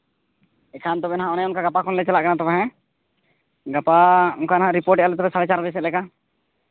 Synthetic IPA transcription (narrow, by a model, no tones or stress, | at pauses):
ɛkʰant̪ɔbɛnaɦãʔɔnɛɔnkaɡapakʰɔnlɛt͡ʃalaʔkanat̪ɔbɛɦɛ̃ | ɡapaɔŋkanaɦãʔɾipɔɾʈɛʔalɛt̪̬ɔbɛsaɾɛt͡ʃaɾbɛs̬ɛt̪̚lɛka